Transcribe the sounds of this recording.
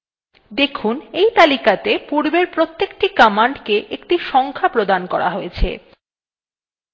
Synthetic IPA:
d̪ekʰunejt̪alikat̪epuɾbeɾpɾot̪ːek̚ʈikɔmaɳɖkeʔekʈiʃɔŋkʰapɾod̪ankɔɾa̰ɦojet͡ɕʰḛ

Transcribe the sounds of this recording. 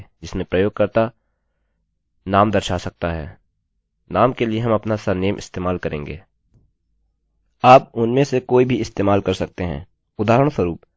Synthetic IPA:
d͡ʒɪsmẽpɾɐjoːɡ̚kɐɾt̪a | naːmd̪ɐɾʃasɐk̚t̪aɦɛ̰ː | naːmkelieɦɐ̃mɐpnasɐneːmʔɪ̰st̪eːmaːlkɐɾẽːŋɡḛː | aːp̚ʊnmẽsekoːibʱiɪst̪eːmaːlkɐɾsɐk̚t̪eɦɛ̰̃ː | ʊd̪aːɦɾəɽ̃swəɾuːp

